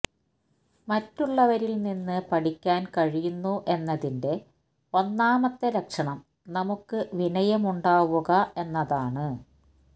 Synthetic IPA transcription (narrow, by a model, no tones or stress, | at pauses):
mɐtːuɭːɐʋɐɾilninːɨpɐʈikʲːaːnkɐɻijunːuʔe̞nːɐðinde̞ | o̞nːaːmɐt̪ːeɾɐkʂɐɳɐm | nɐmukːɨʋinɐjɐmuɳɖaːʋuɣɐe̞nːɐðaːɳɨ